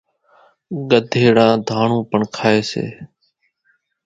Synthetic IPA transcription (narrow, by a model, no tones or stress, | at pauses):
ɠəd̪ʱeːɽãːd̪ʱaːɳũːpəɳkʰaːeːsḛː